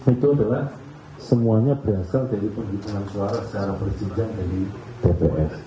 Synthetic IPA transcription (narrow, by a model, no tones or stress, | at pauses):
it̪uadalah | səmuaɲabəɾasaldaɾipəŋɡimuŋansuaɾasə̥t͡ʃaɾapərsid͡ʒaŋdaɾi | d̥epeʔɛs